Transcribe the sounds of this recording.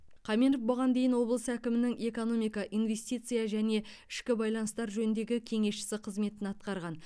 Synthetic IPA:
qʰɑminəfboʁɑnd̪e̞jɪnwo̞blˠəsəækʲɪmɪnɪŋe̞ko̞no̞mijkɑʔijnvʲe̞sʲt̪ijt̪sɨjaʒæne̞ɪʃkʲɪbɑjlˠɑnəst̪ɑɾʒɵnɪnd̪e̞ɡʲɪkʲʰe̞ŋe̞sʃɪ̥sɪqʰəzme̞t̪ɪnɑt̪̚qɑɾʁɑn

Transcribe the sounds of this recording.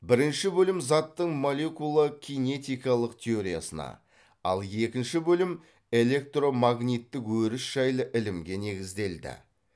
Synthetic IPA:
bɪɾɪnʃɪbɵlɪmzɑt̪ːəɴmo̞le̞kulˠakʲine̞t̪ʲijkɑlˠəqt̪ʲʰe̞o̞ɾija̰sənɑ̰ | ɑ̰lˠje̞kʲɪnʃɪbɵlɪm | e̞le̞k̚t̪ro̞maɡnʲijt̪ːɪkwɵɾɪsʒ̥ɑjlˠəʔɪlɪmɡʲe̞ne̞ɡʲɪzd̪e̞ld̪ɪ̰

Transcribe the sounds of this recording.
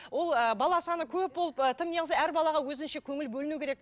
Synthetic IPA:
wo̞lˠəbɑlˠɑsɑnəkʲʰɵp̚bo̞lˠəpət̪ʰɪmneʁəɑæɾbɑlˠɑʁɑwɵzɪnʃe̞kʲʰɵŋɪlbɵlɪnukʲeɾek̚

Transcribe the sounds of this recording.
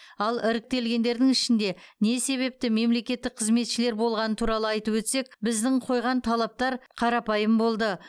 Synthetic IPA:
ɑlˠɪɾɪk̚t̪e̞lɡʲe̞nd̪e̞ɾd̪ɪŋɪʃɪnd̪e̞ne̞se̞βe̞p̚t̪ɪme̞mle̞kʲe̞t̪ːɪk̚qʰəzme̞t̪ʃɪle̞ɾbo̞lˠʁɑnət̪ʰuɾɑlˠəɑjt̪əpwɵt̪se̞k̚bɪzd̪ɪɴqʰo̞jʁɑnt̪ʰɑlˠɑp̚t̪ɑɾqʰɑɾɑpɑjəmbo̞lˠd̪ə

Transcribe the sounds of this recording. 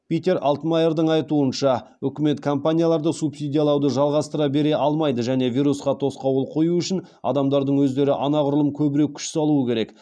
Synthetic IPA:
pʲijt̪ʲe̞ɾʔɑ̰lˠt̪majeɾd̪əɴɑjt̪uənʃɑ | ʏkʲɪme̞t̪kʰo̞mpanʲijalˠɑɾd̪əsupsijd̪ʲijalˠɑwd̪əʒɑlˠʁɑst̪əɾɑbe̞ɾe̞ʔɑlˠmɑjd̪əʒæne̞vʲijɾusqɑt̪ʰo̞sqɑwəlˠqʰo̞juʏʃɪn | ɑ̰d̪ɑmd̪ɑɾd̪əɴwɵzd̪e̞ɾɪʔɑnɑʁʊɾʊlˠəmkʲʰɵbɪɾe̞kʲʰʏ̥ʃsɑlˠuəkʲʰe̞ɾe̞k

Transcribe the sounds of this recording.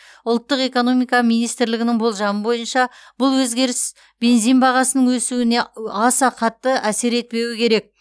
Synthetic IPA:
ʊlˠt̪ːəqe̞ko̞no̞mijkɑmijnijst̪ɾlɪɡʲɪnɪŋbo̞lˠʒɑnəbo̞jənʃɑb̥ʊlˠwɵzɡʲe̞ɾɪs | b̥e̞nzijnbɑʁɑsənəɴwɵsuɪne̞ɑsɑqʰɑt̪ːəʔæse̞ɾe̞t̪̚pe̞wɪkʲʰe̞ɾe̞k̚

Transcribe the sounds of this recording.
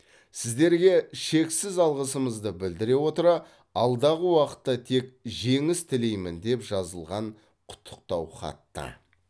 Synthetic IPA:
sɪzd̪e̞ɾɡʲe̞ʃe̞ksɪzɑlˠʁəsəməzd̪əbɪld̪ɪɾe̞wo̞t̪əɾɑ | ɑlˠd̪ɑʁəwɑqə̥t̪ːɑt̪ʰe̞kʒe̞ŋɪst̪ʰɪle̞jmɪnd̪e̞pʒ̥ɑzəlˠʁɑɴ | qʰʊ̥t̪ʰːə̥q̚t̪ɑwχɑ̰t̪ːə̰

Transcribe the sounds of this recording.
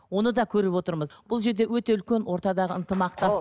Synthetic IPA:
wo̞nəd̪ɑkʲʰɵɾɪpwo̞t̪əɾməzb̥ʊlˠʒe̞ɾd̪ewɵt̪e̞ʏlkʲe̞nwo̞ɾt̪ɑd̪ɑʁəənt̪əmɑq̚t̪ɑ

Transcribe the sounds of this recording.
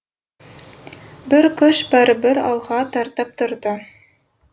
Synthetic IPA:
bɘɾkɤʃbæɾɘbɘɾɑ̰lˠʁɑt̪ɑɾt̪ɑp̚t̪ŏɾd̪ɤ

